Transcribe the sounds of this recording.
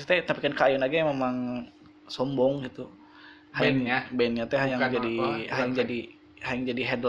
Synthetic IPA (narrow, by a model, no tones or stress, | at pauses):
t̪ɛt̪apikankaajɔnaɡajamemaŋ | sɔmbɔŋɡit̪u | haŋbɛnɲat̪ɛɦajaŋd͡ʒadihajaŋd͡ʒadi | hajaŋd͡ʒadiɦɛdl